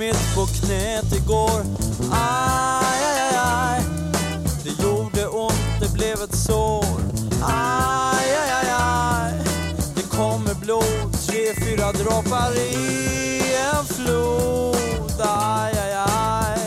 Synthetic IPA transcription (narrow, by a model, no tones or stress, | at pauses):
ɪt̪ːpʰɔkʰnɛːt̪ɪɡoːɾa | ajajaj | d̪ɛjuːɖəʔʊnt̪d̪ɛblɛvɛt̪so | ajajajajd̪̥ɛkʰɔmːəbloːt̪ʰɾeːfyːɾad̪ɾɑːpaɾɪ | ɛnflu | t̪ajajaj